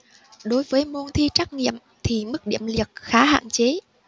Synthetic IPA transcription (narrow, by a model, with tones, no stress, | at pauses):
ɗo˨˦jvəː˨˦jmo˧nt̪ʰi˧t͡ɕaː˦˥k̚ŋḭ˧˨əm | t̪ʰi˨˩mɨ˦˥k̚ɗḭ˧˨əmli˨˩ək̚xaː˨˦ha̰ː˧˨nt͡ɕe˨˦